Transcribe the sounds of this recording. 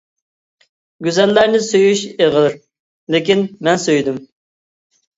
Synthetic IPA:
ɡʲyzɛlːæɾnɪsøjyʃeʁəlˠɨɾ | lɪkʲinmɛnsøjd̪ym

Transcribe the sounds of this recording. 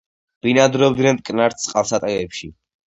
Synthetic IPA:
b̥inad̪ɾɔbd̪nɛnt̪ʼkʼnaɾt̪ʰsʼqʼalˠsat̪ʼɛɛpʃi

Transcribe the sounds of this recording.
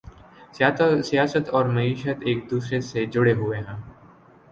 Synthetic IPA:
sijaːsət̪ɔːɾmɐiːʃət̪eːk̚d̪uːsɾesed͡ʒʊɽeɦʊeɦɛ̃ː

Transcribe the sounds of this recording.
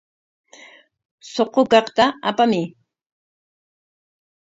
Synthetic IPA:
soqokɑqt̪aapamɪ

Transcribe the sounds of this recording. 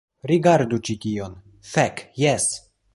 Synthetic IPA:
ɾiɡaɾdut͡ʃitio̞n | fekjes

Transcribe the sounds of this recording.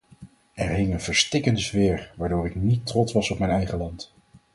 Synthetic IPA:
ɛɹɦɪŋənvəɹstɪkəndəzʋɪːɹʋaːɹdʊːɹɪknitrɔtsʋɑsɔpmɛjnɛjχəlɑnt

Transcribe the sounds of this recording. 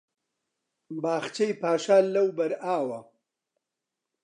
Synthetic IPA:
baːxt͡ʃɐjpaːʃaːlːɐwbɐɾaːwɐ

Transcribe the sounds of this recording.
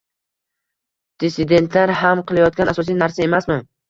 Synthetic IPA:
d̪̥ɪsɪd̪e̞nt̪ʰlaɾɦamqʰɨlˠajɒt̪̚kʲanasɒs̬ijnaɾsae̞masman

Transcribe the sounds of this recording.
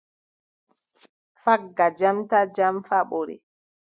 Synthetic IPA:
faɡːad͡ʒamtad͡ʒamfaɓoɾḭ

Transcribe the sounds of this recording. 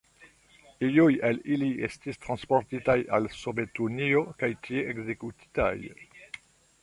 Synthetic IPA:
ijujeliliestistɾʁanspoɾtitaja̰lsovetuniokajtʰieeɡzekuti̥ta̰j

